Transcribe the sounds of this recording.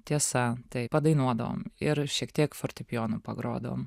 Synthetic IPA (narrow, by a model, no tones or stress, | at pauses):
t̪ʲiɛsɐt̪ɐɪpɐd̪ɐɪnuɔd̪ɐʋo̰mɪɾʃʲiɛkt̪ʲiɛkfɔrʲt̪ʲɪpʲjoːnʊpɐ̰ɡɾo̰ːd̪ɐʋo̰ːm